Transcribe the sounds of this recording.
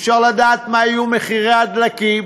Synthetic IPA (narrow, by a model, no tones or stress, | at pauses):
fʃaʁlad̪aːt̪maijumeχiʁead̪laki